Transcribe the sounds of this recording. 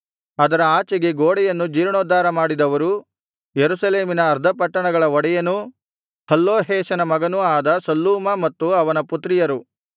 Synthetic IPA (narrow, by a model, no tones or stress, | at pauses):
ɐd̪ɐɾɐaːt͡ʃɐɡe̞ɡoːɽɛjɐnːud͡ʒiːɾɐɳoːd̪aːɾɐmaːɽid̪ɐʋɐɾu | jeɾusɐleːminɐːɾd̪ʱɐpɐʈːɐɳɐɡɐɭɐɔɽɛjɐnu | hɐlːoːɦɛːʃɐnɐmɐɡɐnuaːd̪ɐsɐlːuːmɐmɐt̪ːuɐʋɐnɐput̪ːɾijɐɾu